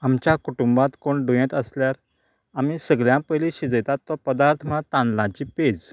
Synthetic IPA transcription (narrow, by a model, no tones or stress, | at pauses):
amt͡ɕjakuʈumbãt̪koɳɖujẽt̪əsljaɾ | amisəɡɭjãpəjliɕid͡zəjt̪at̪ːɔpəd̪aɾt̪ʰmat̪ãnlãt͡ɕiːped͡z